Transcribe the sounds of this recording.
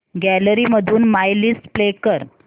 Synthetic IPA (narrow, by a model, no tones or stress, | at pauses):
ɡæləɾiməd̪ʱuːnmajlisʈplekəɾ